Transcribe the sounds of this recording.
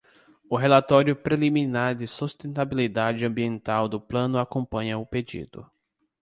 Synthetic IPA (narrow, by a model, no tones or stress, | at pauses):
ʊɦelat̪ɔɾjʊpɾelimĩnaɾd̪ɪsust̪ẽnt̪abilid̪ad͡ʒɪɐ̃mbiẽnt̪awd̪ʊplɐ̃nʊakõmpɐ̃ɲɐʊped͡ʒḭd̪ʊ̰